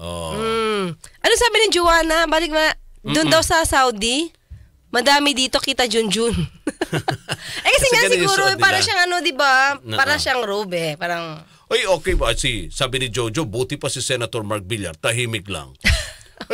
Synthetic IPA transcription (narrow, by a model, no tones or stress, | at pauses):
ʔo̰m̩ | ʔɐnoŋsaːbɪnɪd͡ʒowaːnɐbaːlɪk̚mɐd̪ʊnd̪ɐwsɐsawd̪i | mɐd̪aːmɪd̪iːt̪o̞kiːt̪ɐd͡ʒʊnd͡ʒʊn | ʔɛkɐsɛŋasɪɡuːɾoɛpaːɾɐʃaŋɐnod̪ɪbapaːɾɐʃaŋɾobɛpaːɾɐŋ | ʔojoːkɛjpɐsisaːbɪnɪd͡ʒowd͡ʒobuːt̪ɪpɐsisɛnɐt̪oɹmaɹk̚bilɐ̰ɾt̪ɐɦiːmɪk̚lɐ̰ŋ